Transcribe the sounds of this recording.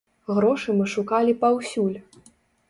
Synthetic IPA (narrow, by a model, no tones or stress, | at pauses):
ɣɾɔʂɨmɨʂukalʲipawsʲulʲ